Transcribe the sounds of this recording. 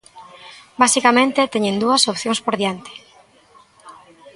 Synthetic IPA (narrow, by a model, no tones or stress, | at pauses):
basikamẽnt̪et̪eɲẽnd̪uɐsopθjõŋspoɾðjant̪e̥